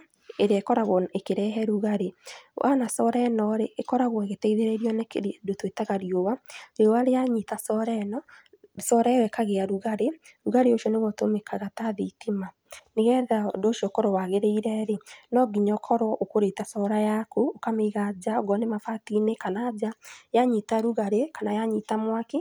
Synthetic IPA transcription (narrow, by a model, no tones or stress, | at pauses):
eɾeɛkɔɾaɣɔekeɾɛɦɛɾuɣaɾewʔa̰nasɔɾɛnɔɾeʔːkɔɾaɣwɔeɣetɛiðeɾɛɾjɔnekedotwetaɣaɾjowaɾeowaɾeaɲitasɔɾɛnɔ | sɔɾawɛkaɣeaɾuɣaɾe | ɾuɣaɾeoʃiɔneɣɔtomekʰaɣataðitima | neɣɛðadoʃjɔkɔɾɔwaɣeɾeiɾɛɾenɔɡiɲɔkʰɔɾwɔʔokoɾetasɔɾajakuokameɣad͡ʑaoɡɔnemafatinekanaːd͡ʑajaɲitaɾuɣaɾekanajaɲitamwake